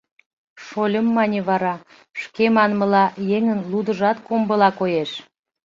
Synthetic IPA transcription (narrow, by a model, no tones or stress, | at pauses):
ʃolʲəmːɑnʲeβɑɾɑ | ʃkemɑnmə̆lɑjeŋənlud̪əʒɑt̪kombəlɑkojeʃ